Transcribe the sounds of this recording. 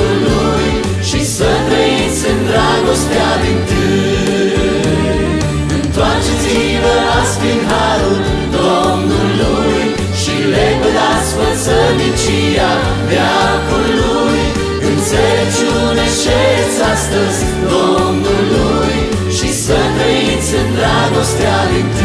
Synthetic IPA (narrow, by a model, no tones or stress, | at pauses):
lu | j | ʃisət̪ɾeisɨnd̪ɾaɡost̪eavint̪ɨ | ɨnt̪wat͡ʃezi | vəaspiɦa | t̪u | d̪o | mnulu | j | ʃileɡulasfət̪səmit͡ʃi | a | vjakulu | j | ɨnset͡ʃu | neʃetsʲast̪əzʲ | d̪omnulu | j | ʃisəkeit̪sʲɨnd̪ɾaɡost̪ead̪int̪ɨ